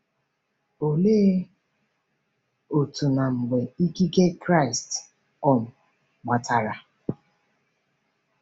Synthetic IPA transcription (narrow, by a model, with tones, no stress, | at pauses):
o˨le˦ | o˨tu˨na˨ŋ͡m̩˨ɡ͡be˨i˦ɡi˦ɡe˦kɾa˦˨ɪ˨st | ɔ˦˨m̩˨ | ɡ͡ba˨tʰa˨ɾa˨